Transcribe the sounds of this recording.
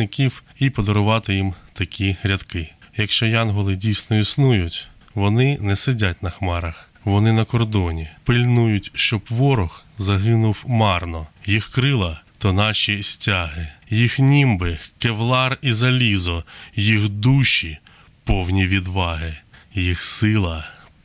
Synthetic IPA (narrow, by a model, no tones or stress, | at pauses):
nɪkʲiwipɔd̪ɔɾʊʋɑt̪ɪjimt̪ɐkʲʰiɦɾʲɐd̪kɪjɐkʃt͡ʃɔjɑnɦɔlˠɪdʲijsʲnɔisnujʊtʲ | ʋɔnɪnɛsedʲatʲnɐxmɑɾɐx | ʋɔnɪnɐkɔrd̪ɔnʲipɪlʲnujʊtʲʃt͡ʃɔbʋɔɾɔxzɐɦɪnʊwmɑrnɔjixkɾɪlˠɐt̪ɔnɑʃʲisʲtʲaɦɪjixnʲimbɪkeʋlˠɑrizɐlʲizɔjixd̪uʃʲi | pɔwnʲiʋʲid̪ʋɑɦɪjixsɪlˠɐ